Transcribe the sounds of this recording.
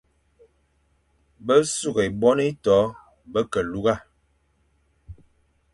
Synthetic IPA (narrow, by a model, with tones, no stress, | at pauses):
bə˦su˦˨ɣe˨bɔ˦ni˦tɔ˨˦ | bə˦kə˨lu˦ɣa˦˨